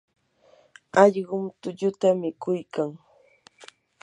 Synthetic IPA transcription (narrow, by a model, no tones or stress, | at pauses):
ɑʎɢʊmt̪ʊʎʊt̪amɪkʊjkaŋ